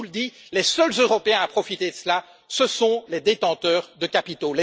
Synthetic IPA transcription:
uld̪ilɛsœlzøʁɔpeɛ̃apχɔfit̪ed̪əsla | səsɔ̃lɛd̪et̪ɑ̃t̪œːʁd̪əkʲapit̪olɛ

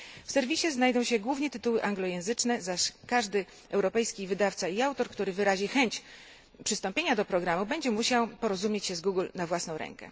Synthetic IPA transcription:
fsɛɾvʲiɕɛznajd̪ɔ̃w̃ɕɛɡwuvɲɛt̪ɘt̪uwɘʔaŋɡlɔjɛ̃w̃zɘt͡ʂnɛzaʂkaʐd̪ɘ | ɛwɾɔpɛjskʲivɘd̪aft̪saiawt̪ɔɾkt̪uɾɘvɘɾaʑixɛɲt͡ɕ | pʂɘst̪ɔmpʲeɲad̪ɔpɾɔɡɾamubɛɲd͡ʑɛmuɕawpɔɾɔzumʲjet͡ɕɕɛzɡuɡlnavwasnɔ̃w̃ɾɛ̰ŋkɛ̰

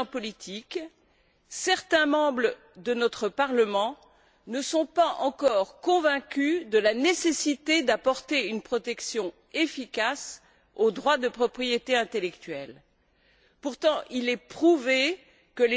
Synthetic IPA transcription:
pɔlit̪ʰik | sɛʁt̪ɛ̃mɑ̃bʁə | d̪ənɔt̪χəpaʁləmɑ̃ | nəsɔ̃paɑ̰̃kɔʁkɔ̃vɛ̃kʲyd̪əlanesesit̪ed̪apɔʁt̪eynpχɔt̪ɛksjɔ̃ | efikas | od̪ʁwad̪əpχɔpχijet̪eɛ̃t̪elɛkt̪ɥɛl | puʁt̪ɑ̃ʔilɛpχuve | kəle

